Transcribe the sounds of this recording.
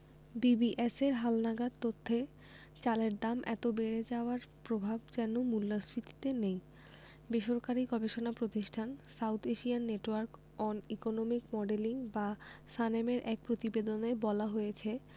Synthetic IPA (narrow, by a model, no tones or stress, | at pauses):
bibiʔeseɾɦalnaɡad̪̚t̪ot̪ʰːe | t͡ɕaleɾd̪amʔɛ̰t̪obeɾed͡ʑaoaɾpɾobʱabd͡ʑɛnomulːasɾit̪i̥t̪enej | beʃoɾkaɾiɡɔbeʃonapɾot̪iʃʈʰansawt̪ʰeʃianːeʈwaɾk | ɔnikonomikmɔɖeliŋbasanemeɾʔɛk̚pɾot̪ibed̪onebɔlaɦojet͡ɕʰe